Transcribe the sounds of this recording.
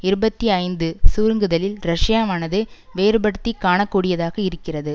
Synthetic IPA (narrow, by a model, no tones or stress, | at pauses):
ɪɾɯbɐt̪ːiɐɪnd̪ɯsuːɾŋɡɯðɐlɪlɾɐʂjaːmaːnɐðɯ | ʋeːɾɯbɐɽɯt̪ːikːaːɳɐkːuːɽɪjɐðaːɣɐɪɾɯkːɪrɐðɯ